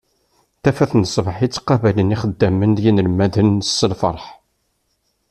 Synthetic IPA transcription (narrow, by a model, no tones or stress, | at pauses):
θæfæθnsˤvħit͡sːqːɑvæləniχəd̪ːæmənd̪jinələmæðənsːəlfə̰ɾˤħ